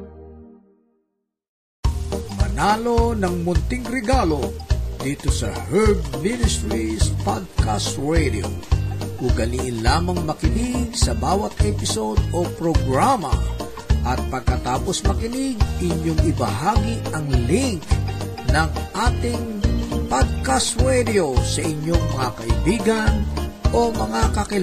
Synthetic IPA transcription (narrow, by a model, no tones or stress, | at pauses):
mɐnaːlo̞nɐŋmʊnt̪ɪŋɾɛɡalo̞d̪iːt̪osɐhɛɹd̪̚minɪst̪ɹispad̪̚kast̪ɹɛd̪io̰ʔʊɡɐliʔɪnlaːmɐŋmɐkɪnɪɡ̚sɐbaːwɐt̪ɛpɪso̞d̪opɾoɡɹamɐ̰ | ʔɐt̪̚pɐɡ̚kɐt̪aːposmɐkɪnɪɡ̚ʔɪɲoŋɪbɐɦaɡiʔɐŋlɪŋk | nɐŋʔaːt̪ɪŋpad̪̚kast̪ɹɛd̪ɪosɐʔɪɲoŋmɐŋakɐʔɪbiːɡɐnʔomɐŋakɐkɪ